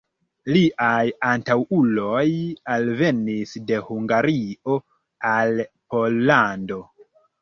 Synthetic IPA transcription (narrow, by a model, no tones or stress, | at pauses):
liʔajantawulo̞jalve̞nisde̞huŋɡaɾio̞ | alpo̞lːando̞